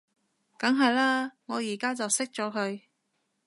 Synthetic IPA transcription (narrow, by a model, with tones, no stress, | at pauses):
kɐ˨˥ŋɦɐ˨jlaː˥ŋɔː˨˧jiː˨˩kaː˥t͡sɐ˨wsɪ˥k̚t͡ʃɔː˨˥kʰɵ˨˧ɥ